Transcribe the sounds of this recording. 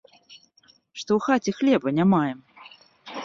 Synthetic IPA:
ʂt̪ɔwxat͡sʲɛxlʲɛbɐnʲamajɛm

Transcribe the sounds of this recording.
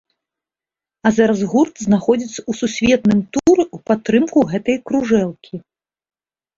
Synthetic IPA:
azaɾɐzɣurt̪znaxɔd͡zʲit̪sɐ̥ususʲvʲɛt̪̚nɨmt̪uɾupat̪ːɾɨmkuɣɛt̪ɐjkɾuʐɛlˠkʲʰi

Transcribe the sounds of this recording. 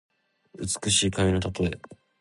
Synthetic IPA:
ɯ̟t͡sɨ̥kɯ̟ɕiːkamʲino̞t̪at̪oe

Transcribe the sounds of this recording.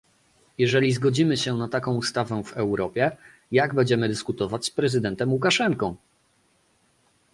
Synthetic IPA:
jɛʐɛlʲizɡɔd͡ʑimɘɕɛnat̪akɔ̃w̃ust̪avɛvɛwɾɔpʲjɛ | jaɡbɛɲd͡ʑɛmɘd̪ɘskut̪ɔvat͡ɕspɾɛzɘd̪ɛnt̪ɛmwukaʂɛŋkɔ̃w̃

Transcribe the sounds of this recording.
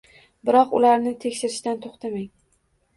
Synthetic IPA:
bɪɾɒqʊ̰laɾnɪt̪ʰe̞kʲʃɪɾɪʃt̪ant̪ʰoχt̪ʰamaŋ

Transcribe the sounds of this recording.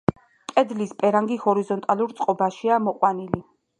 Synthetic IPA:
pʼɛd̪lispʼɛɾaŋɡihɔɾizɔnt̪ʼalˠuɾt̪sʼqʼɔbaʃiamɔqʼwanili

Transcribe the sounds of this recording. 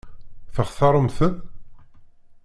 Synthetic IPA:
θəχθɑɾˤəmθən

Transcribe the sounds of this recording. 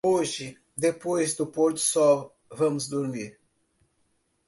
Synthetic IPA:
oʒɪ | d̪epojzd̪ʊpoɾt̪ʊ̥sɔw | vɐ̃mʊzd̪uɾmiɾ

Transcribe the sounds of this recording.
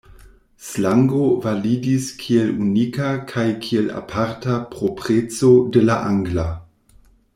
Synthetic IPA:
slaŋɡovalidiskʰielunikakʰajkʰiela̰pʰaɾtapʁopʁet͡sodelaʔaŋɡla

